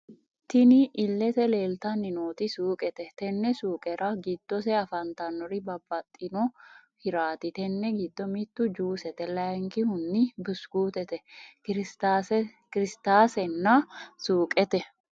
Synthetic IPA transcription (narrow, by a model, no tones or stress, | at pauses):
t̪ɪnɪʔɪlːɛt̪ɛleːlt̪ɐnːɪnoːt̪ɪsuːkʼɛt̪ɛt̪ɛnːɛsuːkʼɛɾɐɡɪd̪̥ːɔsɛɐfɐnt̪ɐnːɔɾɪbɐbːɐt̪ʼːɪnɔhɪɾaːt̪ɪt̪ɛnːɛɡɪd̪ːɔmɪt̪ːʊd͡ʒuːsɛt̪ɛlɐjŋkɪhʊnːɪbʊsɡ̥uːt̪ɛt̪ɛɾ | kɪɾɪst̪aːsɛnːɐsuːkʼɛt̪ɛ